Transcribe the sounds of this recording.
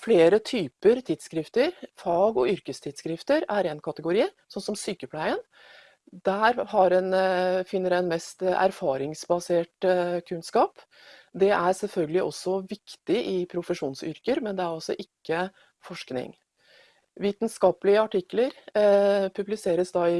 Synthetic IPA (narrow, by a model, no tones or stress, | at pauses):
fleːɾət̪ʰyːpəɾt̪ʰɪd̪skɾɪft̪əɾfɑːɡɔʏɾkəst̪ʰɪd̪skɾɪft̪əɾæɾɛnkʰɑt̪əɡʊɾiːsɔnːsɔmsyːkəpʰlæɪən | d̪æɾhɑɾɛnfɪnːəɾæɪnmɛst̪æ̰ɾfɑːɾɪŋsbɑseːʈkʰʉnskɑːp | d̪ɛʔæɾsɛlfœlɡəlɪʔɔsːɔʋɪkt̪ɪʔɪpʰɾʊfəʂuːnsʏ̰ɾkəɾmɛnd̪ɛæɾɔsɔʔɪkːə | fɔʂknɪ̰ŋ | ʋiːt̪nskɑːpəlɪəɑʈɪkːləɾ | pʰʉblɪseːɾəsd̪ɑɪ